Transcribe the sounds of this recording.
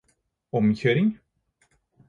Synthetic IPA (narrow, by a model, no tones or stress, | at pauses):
ɔmçøːɾɪŋ